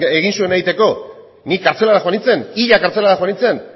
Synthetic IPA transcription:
eɣinsue̞nait̪e̞ko̞ | nikːaɾt͡se̞laɾaxoanit͡se̞niʎakaɾt͡se̞laɾaxwanit͡se̞n

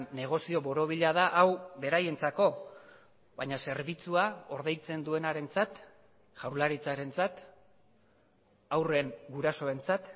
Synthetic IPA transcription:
nːe̞ɣ̞o̞sio̞βo̞ɾo̞βiʎaðaʔawβe̞ɾaje̞nt͡sako̞ | βajɲase̞ɾβit͡suao̞ɾðe̞jt͡se̞nd̪ue̞naɾe̞nt͡sat̪ | ʝawɾlaɾit͡saɾe̞nt͡sat̪ | awre̞ŋɡuɾaso̞e̞nt͡sat̪

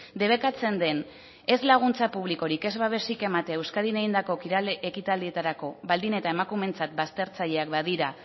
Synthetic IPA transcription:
d̪e̞β̞e̞kat͡se̞nd̪e̞n | e̞zlaɣ̞unt͡sapuβ̞liko̞ɾike̞zβaβe̞sike̞mat̪e̞aewskaðineɣind̪ako̞kiɾaleʔekit̪ald̪ie̞t̪aɾako̞βald̪ine̞t̪ae̞makume̞nt͡sat̪̚bast̪e̞ɾt͡saʎe̞akbaðiɾa

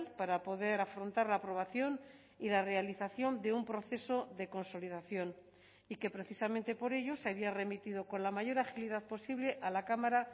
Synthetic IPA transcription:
lpaɾapo̞ðe̞ɾafɾo̞nt̪aɾlaːpɾo̞β̞aθjo̞n | ilare̞aliθaθjo̞nd̪e̞umpɾo̞θe̞so̞ðe̞ko̞nso̞liðaθjo̞n | ike̞pɾe̞θisamẽnt̪e̞po̞ɾe̞ʝo̞seaβiare̞mit̪ið̞o̞ko̞nlamaʝo̞ɾaxiliðaðpo̞siβle̞ʔalakamaɾa

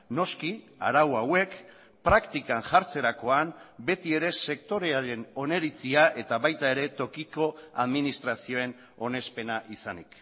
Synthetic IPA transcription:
no̞ski | a̰ɾawawe̞k | pɾakt̪ikanʝaɾt͡se̞ɾako̞ambe̞t̪ie̞ɾe̞se̞kt̪o̞ɾe̞aɾe̞no̞ne̞ɾit͡siaʔe̞t̪aβajt̪ae̞ɾe̞t̪o̞kiko̞a̰ðminist̪ɾasio̞e̞n | o̞ne̞spe̞naʔisanik

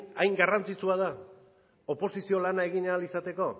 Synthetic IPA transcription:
ajŋɡarant͡sit͡suað̞a | o̞po̞sisio̞lanae̞ɣiɲːlisat̪e̞ko̞

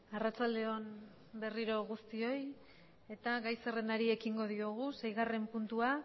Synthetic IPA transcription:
arat͡ʃald̪e̞o̞n | be̞riɾo̞ɣ̞ust̪io̞j | e̞t̪aɣajserend̪aɾie̞kiŋɡo̞ð̞ioɣ̞use̞jɣ̞are̞mpunt̪ua

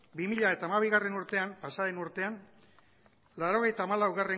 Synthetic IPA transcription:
bimiʎae̞t̪aːmaβ̞iɣare̞nuɾt̪e̞ampasaðenuɾt̪e̞an | laɾo̞ɣ̞e̞jt̪aːmalawɣare̞

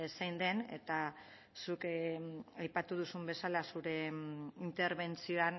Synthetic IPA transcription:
sajnd̪e̞ne̞̰t̪a | suk | ajpat̪uð̞usumbe̞salasuɾe̞int̪e̞ɾβe̞nt͡sio̞an

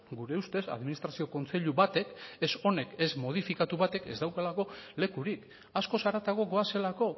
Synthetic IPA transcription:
ɡuɾe̞ust̪e̞sa̰ðminist̪ɾasio̞ko̞nt͡se̞ʎuβat̪e̞keso̞ne̞ke̞zmo̞ð̞ifikat̪uβat̪e̞ke̞zd̪awkalako̞le̞kuɾik | asko̞saɾat̪aɣo̞ɡo̞ase̞lako̞

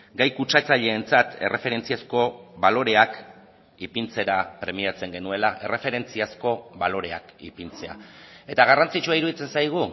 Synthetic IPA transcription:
ɡajkut͡ʃat͡saʎe̞ːnt͡sat̪e̞̰rʔe̞fe̞ɾe̞nt͡siasko̞βalo̞ɾe̞ak | ipint͡se̞ɾapɾe̞miat͡se̞ŋɡe̞nue̞laʔe̞re̞fe̞ɾe̞nt͡siasko̞βalo̞ɾe̞akḭpint͡se̞a̰e̞t̪aɣ̞arant͡sit͡ʃuaiɾuð̞it͡se̞nsajɣ̞u

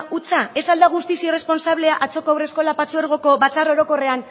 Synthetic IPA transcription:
ut͡sae̞sald̪aɣ̞ust̪isire̞spo̞nsaβle̞aʔat͡so̞koawre̞sko̞lapat͡sueɾɣo̞ko̞βat͡saro̞ɾo̞ko̞re̞an

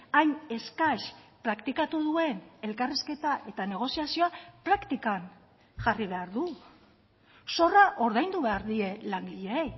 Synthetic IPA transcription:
ajne̞skaʃpɾakt̪ikat̪uðue̞ne̞lkariske̞t̪aʔe̞t̪ane̞ɣ̞o̞siasioapɾakt̪ikan | ʝariβe̞aɾðu | so̞raʔo̞ɾðajnd̪uβe̞aɾðie̞laŋɡiʎe̞ej

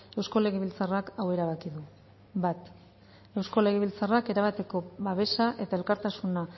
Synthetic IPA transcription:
e̞wsko̞le̞ɣeβilt͡sarakawe̞ɾaβ̞akiðu | bat̪ | e̞wsko̞le̞ɣeβilt͡sarake̞ɾaβ̞at̪e̞ko̞βaβe̞saʔe̞t̪ae̞lkaɾt̪asuna

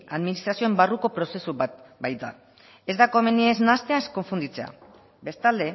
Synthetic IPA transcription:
aðminist̪ɾasio̞embaruko̞pɾo̞se̞suβat̪bajt̪d̪a̰ | e̞zd̪ako̞me̞nieznast̪e̞aesko̞ɱfund̪it͡se̞a̰ | be̞st̪ald̪e̞

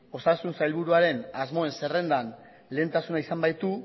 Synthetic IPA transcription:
o̞sasunsajlβ̞uɾuaɾe̞nazmo̞e̞nse̞re̞nd̪an | le̞ːnt̪asunaisambajt̪u

